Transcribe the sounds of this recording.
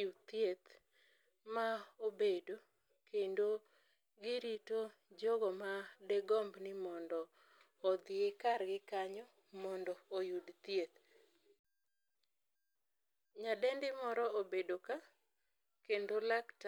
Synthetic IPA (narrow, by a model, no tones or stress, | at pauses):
ut̪jet̪ | maobedo | kendo | ɡɪɾito | d͡ʒɔɡɔmadɛɡɔmbnɪmɔndɔː | d̪ɪekaɾɡɪkaɲɔ | mɔndɔːjudt̪jet̪ | ɲadɛndɪmɔɾɔobedoka | kendolakt